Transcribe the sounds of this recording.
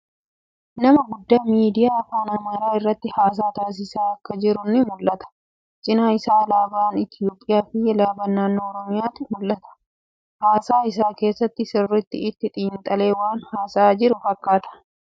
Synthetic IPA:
nɐmɐɡʊd̪ːaːmiːd̪ɪjaːɐfaːnɐmɐɾaːɪrːɐt̪ːɪhaːs̬aːt̪aːs̬ɪsaːɐkːɐd͡ʒɪɾʊnːɪmʊlːɐt̪ɐ̥ | t͡ʃʼɪnaːɪsaːɐlaːbaːnɪt̪ɪjo̞ːpʼːɪjaːfɪɛlaːbɐnːaːnːo̞ːɾɔmɪjaːt̪ɪmʊlːɐt̪ɐ̥ | haːsaːɪs̬aːke̞ːsːɐt̪ːɪsɪrːɪt̪ːɪ̰ɪt̪ːɪt̪ʼiːnt̪ʼɐle̞ːwaːnhaːsaːd͡ʒɪɾʊfɐkːaːt̪ɐ̥

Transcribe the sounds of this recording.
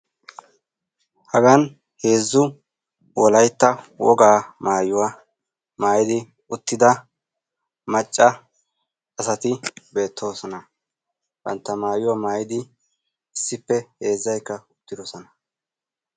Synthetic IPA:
hɐɡɐn | he̞ːzːʊ | wɔlɐjt̪ːɐwɔ̰ɡaːmaːjʊwa | maːjɪd̪ɪ | ʊt̪ːɪd̪ɐ | mɐt͡ʃʼːɐː | sɐt̪ɪbe̞ːt̪ʰːo̞ːsɔnɐ | b̥ɐ̰nt̪ːɐmaːjʊwamaːjɪd̪ɪ | ɪsːɪpːɛhe̞ːzːɐjkːɐʊt̪ːɪd̪ɔsɔnɐ̥

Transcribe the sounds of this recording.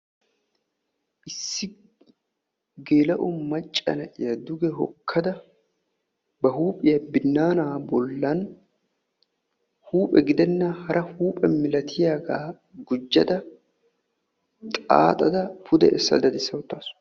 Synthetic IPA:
ʔɪsːɪ | ɡe̞ːlɐʔʊmɐt͡ʃʼːɐ̰nɐʔɪjɐd̪ʊɡɛɦɔ̰kʰːɐd̪ɐ | bɐɦuːpʼɪjɐbɪnːaːnaːbɔlːɐn | huːpʼɛɡɪd̪ɛnːɐhɐɾʔɐhuːpʼɛmɪlɐt̪ʰɪjaːɡaː | ɡʊd͡ʒːɐd̪ɐ | t̪ʼa̰ːt̪ʼɐd̪ɐpʰʊd̪ɛ̰ʔɛsːɐ̰d̪ɐd̪ɪsːɐwʊt̪ːaːs

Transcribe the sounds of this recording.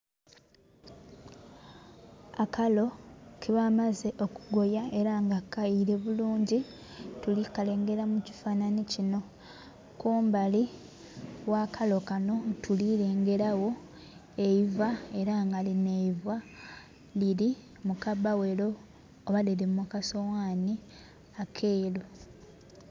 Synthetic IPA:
akʰalo̞kʰiβamaze̞ʔo̞kuɡo̞jae̞ɾaŋɡakːaiɾeβuluːɲɟi | tulikale̞ːŋɡe̞ɾamuci̥faːnanicino̞ | kuːmbali | wakʰalo̞kano̞tulile̞ːŋɡe̞ɾawo̞ | e̞ivae̞ɾaŋɡaline̞ivwa | liɾi | mukabawelo̞ː | βadeɾimukaso̞waːni | akʰeːlo

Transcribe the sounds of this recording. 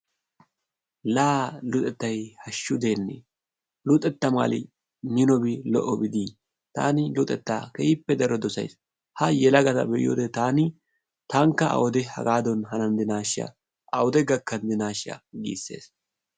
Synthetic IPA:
laːlʊt̪ʼɛt̪ːɐjhɐʃːʊd̪e̞ːnːḛ | lʊt̪ʼɛt̪ːɐma̰ːlɪ̰ | nɪnɔbɪlɔʔɔbɪd̪i | t̪a̰ːnɪlʊt̪ʼɛt̪ːaːkɛjɪpːɛd̪ɐɾɔd̪ɔsɐ̰js | hɐjɛlɐɡɐt̪ɐ̰bɛʔj̰jo̰ːd̪ɛt̪aːnɪ | t̪ɐŋkːɐɐ̰wɔd̪ɛhɐ̰ɡaːd̪ɔnɦɐnɐnd̪ɪnaːʃɐ̰ | ʔɐwɔd̪ɛɡɐkːɐnd̪ɪnaːʃɐ̰ɡḭːsːe̞̰ːs

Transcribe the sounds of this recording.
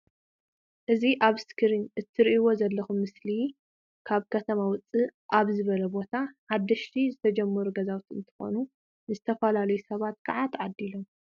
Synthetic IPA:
ʔɨziʔaβskʰɨɾinʔɨt̪ʰːɨɾʔiwo̞zɐlːɐxumːɨsli | kʰaβkʰɐt̪ʰɐmawʊt͡sʼːɨʔaβzɨβɐlɐbo̞t̪ʰaħad̪ːɐʃt̪ʰizɨt̪ʰɐd͡ʒɐmːɐɾuɡɐzawt̪ɨ̰nt̪ʰɨ̥xo̞̰nu | zɨt̪ʰɐfɐlalɐjusɐβat̪kʰɐʕat̪ʰʕad̪ːilo̞m

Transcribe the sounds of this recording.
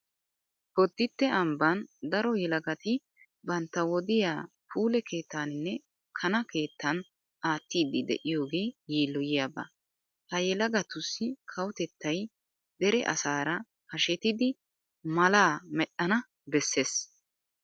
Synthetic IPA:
bɔd̪ːɪt̪ːɛɐmbɐnd̪ɐɾɔjɛlɐɡɐt̪ɪ | bɐnt̪ːɐwɔd̪ɪjaː | pʰuːlɛkʰe̞ːt̪ːaːnɪnːɛ | kʰɐnɐke̞ːt̪ʰːɐn | ʔaːt̪ːiːd̪ɪd̪ɛ̰ʔɪjo̞ːɡeːjiːlːɔjɪjabɐ̰ | hɐjɛlɐɡɐt̪ʊsːɪkʰɐwʊt̪ɛt̪ːɐj | d̪ɛɾɛ̰ʔɐ̰saːɾɐ | hɐʃɛt̪ɪd̪ɪ | mɐlaːmɛɗɐnɐ | bɛsːeːs

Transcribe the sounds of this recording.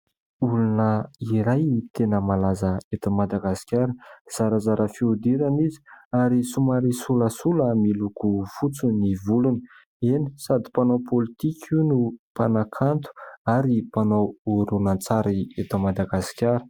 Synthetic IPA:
ulunəiɾajt̪enəmalazəet̪amad̪aɡasi̥kʲaɾəz̥aɾəzaɾʔəfiud̪iɾanizi̥aɾisumaɾisuləsuləmilukufut͡sunivulunə | eni̥sad̪ipanopʰolit̪ikʲʰiunupanakʰant̪u̥aɾipanowuɾunant͡saɾiet̪amad̪aɡasi̥kʲaɾə̥

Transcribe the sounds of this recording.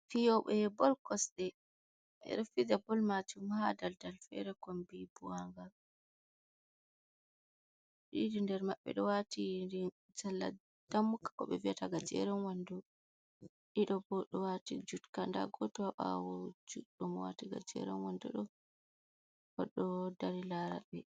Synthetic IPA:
fijɔɓɛbɔlkɔsɗɛ | ɛ̰ɾefid͡ʒabɔlmat͡ʃumhadaldalfɛ̰ɾɛkɔmbibuwaŋɡa | ɗidindɛɾmaɓːɛ̰ɗɔwatindi | d͡ʒalːa̰ | d̥amːukːḁkɔɓɛviataɡad͡ʒɛ̰ɾɛnwandɔ | ɗiɗɔbɔɗɔwatid͡ʒutkanda̰ɡɔtɔwaɓa̰wɔd͡ʒuɗɔmɔwa̰tiɡa̰d͡ʒɛ̰ɾɛnwandɔ̰ɗɔ | kɔɗːɔdaɾilaɾa̰ɓɛ

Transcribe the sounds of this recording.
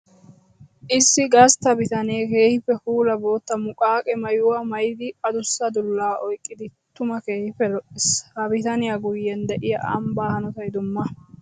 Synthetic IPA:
ʔɪsːɪɡɐst̪ɐbɪt̪ɐneːke̞ːhɪfːɛfuːlɐbo̞ːt̪ːɐmʊkʼaːkʼɛmɐjʊwɐmɐjɪd̪ɪɐd̪ʊsːɐd̪ʊlːaːʔɔjkʼːɪd̪ɪt̪ʊmɐke̞ːhɪfɛlɔʔɪshɐbɪt̪ɐnɪjaɡʊjːɛnd̪ɛʔɪjɐʔɐ̰mbaːhɐnɔt̪ɐjd̪ʊmːɐ

